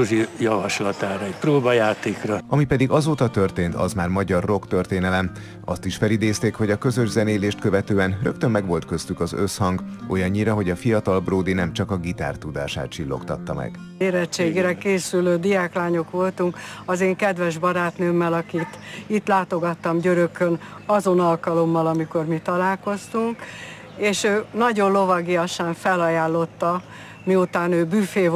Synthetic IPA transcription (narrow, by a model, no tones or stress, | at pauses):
uʒijɒvɒʃlɒt̪aːɾɒɛcproːbɒjaːt̪eːkrɒɒmipɛd̪iɡɒzoːt̪ɒt̪ø̞rt̪eːnt̪ɒ̰zmaːrmɒɟɒrːo̞kt̪ø̞rt̪eːnɛlɛm | ɒ̰st̪iʃfɛlid̪eːst̪eːkho̞ɟɒkø̞zø̞ʒzɛneːleːʃt̪kø̞vɛt̪øːɛnrø̞kt̪ø̞mːɛɡʋo̞lt̪̚kø̞st̪ykɒzø̞shɒŋɡo̞jɒɲːiɾɒɦo̞ɟɒfijɒt̪ɒlbroːd̪inɛmt͡ʃɒkɒɡit̪a̰ːrt̪ud̪a̰ːʃa̰ːt̪̚t͡ʃilːo̞̰kt̪ɒt̪ːɒmɛ̰ɡ̥ | eːɾɛt͡ʃːeːɡɾɛkeːsyløːd̪ijaːklaːɲo̞kʋo̞lt̪uŋkɒzeːŋkɛd̪ʋɛʒbɒɾaːt̪nøːmːɛlɒkit̪it̪laːt̪o̞ɡɒt̪ːɒmɟøɾøkøn | ɒzo̞nɒlkɒlo̞mːɒlɒmiko̞rmit̪ɒlaːlko̞st̪uŋk | eːʃøːnɒɟo̞nlo̞vɒɡiɒʃaːɱfɛlɒjaːlːo̞t̪ːɒ | miut̪aːnøːbyfeː